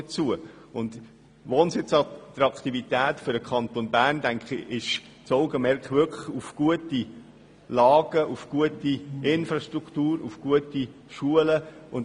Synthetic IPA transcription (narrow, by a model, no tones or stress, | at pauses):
ət͡suə | ʊnd | ʋoːnsɪt͡sɑt̪ɾɑkχt̪ivitæːtfʏɾdəkʰχɑnt̪onbæːrndæŋkχḭʔɪʃ | t͡sɔʊɡəmɛɾkχʋʏkʰə̥χufɡ̥uəti | lɑːɡ̥əʔufɡ̥uətiɪnfɾɑʃtɾukχtuːɾṵfɡ̥uəti | ʃuələʊn